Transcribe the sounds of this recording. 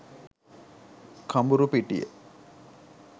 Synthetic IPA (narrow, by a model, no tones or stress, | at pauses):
kʰambuɾupiʈijə̰